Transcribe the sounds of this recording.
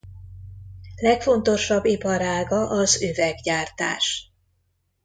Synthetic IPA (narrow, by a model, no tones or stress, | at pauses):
lɛkfo̞nt̪o̞ʃɒbːipɒɾaːɡɒʔɒzøvɛɡɟaːrt̪a̰ːʃ